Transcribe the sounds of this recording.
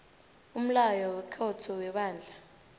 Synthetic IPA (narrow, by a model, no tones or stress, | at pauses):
um̩lajɔwɛkʰɔtʰɔwɛɓaːnd͡ɮʱa